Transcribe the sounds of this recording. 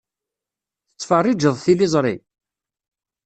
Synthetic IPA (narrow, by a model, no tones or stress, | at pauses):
θət͡sːfərˤːid͡ʒəðˤθilɪzˤɾˤḭ